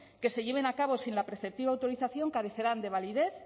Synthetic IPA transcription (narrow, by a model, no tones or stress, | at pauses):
ke̞se̞ʎe̞β̞e̞nakaβ̞o̞sinlapɾeθe̞p̚t̪iβawt̪o̞ɾiθaθjo̞ŋkaɾe̞θe̞ɾand̪e̞β̞aliðe̞θ